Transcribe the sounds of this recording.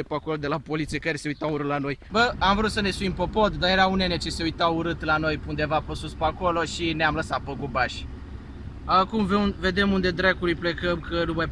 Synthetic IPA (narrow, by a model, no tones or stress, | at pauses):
epako̞lod̪e̞lapo̞lit̪siekaɾese̞ujt̪auɾɨlano̞jbəamvɾut̪səne̞suimpopo̞t̪d̪aɾjeɾaunenet͡ʃese̞ujt̪auɾɨt̪lano̞jpund̪evapəsuspako̞lo̞ʃineamləsat̪̚pəɡubaʃʲ | akumveve̞d̪e̞mund̪e̞d̪ɾekuɾiple̞kəmkənumaj